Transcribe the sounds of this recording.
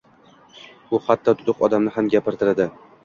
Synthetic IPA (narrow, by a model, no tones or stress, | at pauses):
ʊhat̪ʰːɒt̪ʰʊd̪ʊqɒd̪amnɪɦamɡʲapɪɾt̪ʰɪɾɪd̪ɪ